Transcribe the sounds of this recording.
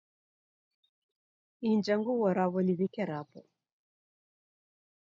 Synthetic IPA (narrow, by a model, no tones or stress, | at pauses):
ind͡ʒaŋɡuwɔɾaβɔniðikɛɾapɔ